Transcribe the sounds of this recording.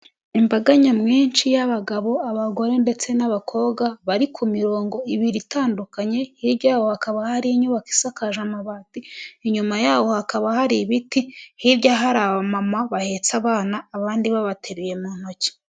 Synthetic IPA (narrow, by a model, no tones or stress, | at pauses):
imbaɡaɲamŋiːnt͡ʃijaβaɡaβo̞aβaɡoɾende̞t͡se̞naβakʰo̞ːɡaβaɾikʰumiɾo̞ːŋɡo̞iβiɾitaːndukaɲe̞hiɾɟaːwohakaβahaɾiɲuβaki̥sakaʒamaβatiɲumajaːwo̞hakaβahaɾiβitihiɾɟaɦaɾaβamamaβahe̞t͡saβaːnaːβaːndiβaβatʰeɾuje̞muːnho̞ci̥